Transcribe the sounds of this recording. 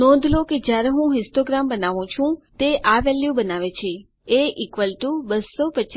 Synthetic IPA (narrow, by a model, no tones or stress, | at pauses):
nɔ̃d̪ʱloked͡ʒjaɾeɦũɦɪsʈoɡɾambənaʋũt͡ʃʰũt̪eʔaʋeljubənaʋet͡ʃʰe | eʔikʋəlʈubəsːopət͡ʃ